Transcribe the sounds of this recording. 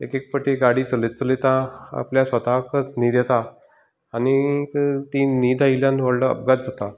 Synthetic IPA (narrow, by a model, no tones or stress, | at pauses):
ekek̚pəʈiɡaɽiːt͡səlet̪̚t͡səlet̪ãa̰pljasʋət̪akət͡sniːd̪jet̪a | anit̪iniːd̪ailjãnʋəɽləə̰p̚ɡat̪̚d͡zat̪a